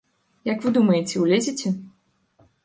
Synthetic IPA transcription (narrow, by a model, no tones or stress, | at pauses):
jɐkvɨd̪umɐjet͡sʲɛwlʲezʲit͡sʲɛ